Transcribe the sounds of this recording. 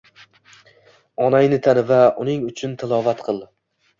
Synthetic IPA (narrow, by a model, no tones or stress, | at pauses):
ɒnajnɪt̪ʰanɪvaʊnɪŋʊt͡ʃʰʊnt̪ʰɪlˠɒvat̪qʰɨlˠ